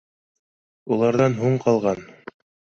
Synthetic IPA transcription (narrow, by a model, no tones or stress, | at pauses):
ulˠɑɾðɑnɦuɴqɑlˠʁɑn